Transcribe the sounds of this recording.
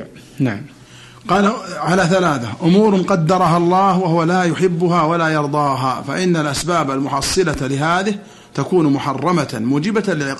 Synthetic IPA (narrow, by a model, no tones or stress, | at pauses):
naʕam | qɑːlʕalaθalaːθaʔʊmuːɾnqɑd̪ːɑɾˤɑɦɑlˤːɑːhwaɦʊwalaːjʊħɪbːʊɦaːwalaːjɑɾˤd̪ˤɑːɦaːfa̰ʔɪnːalʔasbaːbalmʊħɑsˤːɨlalɪɦaːðɪh | t̪akuːnmʊħɑrˤːɑmamuːd͡ʒɪbalɪʕɪ